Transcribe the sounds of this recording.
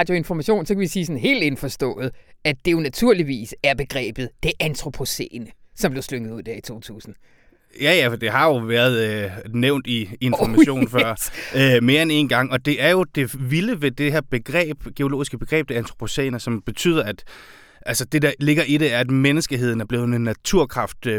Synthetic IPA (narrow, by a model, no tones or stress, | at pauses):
ɑd̥joe̝nfɒmæɕo̝̰ːnsɒ̽kʰæʋisiːsɒ̽nɦe̝̰ːld̥e̝nfɒsd̥ɔ̰̽ːð̩ˠæd̥e̝jo̝næt͡sʰuɐ̰liʋḭːsæɐb̥e̝ɡ̥ʁɛ̰ːb̥ð̩ˠd̥e̝ʔænt͡sʰʁo̝pʰo̝sḛnəsɒ̽mb̥le̝ʊsløŋəð̩uð̰ˠd̥æɐit͡sʰo̝̰ːt͡sʰṵːsn̩ | jæjæfɒd̥e̝hɑ̈jo̝ʋæːɐð̞ˠøneʊ̰nd̥ie̝nfɒmæɕo̝̰ːnfɶɐ̰øme̝ːɐene̝ːnɡ̥ɑ̈ŋ̰ɒ̽d̥e̝ʔæɐjo̝d̥e̝ʋiləʋe̝d̥e̝heɐb̥e̝ɡ̥ʁɛ̰ːb̥ɡ̥e̝o̝lo̝̰ːisɡ̥əb̥e̝ɡ̥ʁɛ̰ːb̥̚d̥e̝ænt͡sʰʁo̝̥pʰo̝sḛːnɐsɒ̽mb̥e̝t͡sʰy̰ːðˠɐæd̥ | ʔælsəd̥e̝d̥ɑ̈le̝ɡ̥ɐʔiɾ̥e̝æɐæd̥menəsɡ̥əɦe̝ð̰ˠn̩æɐb̥le̝ːð̩ˠenːæt͡sʰuɐ̰kʰʁɑ̈fd̥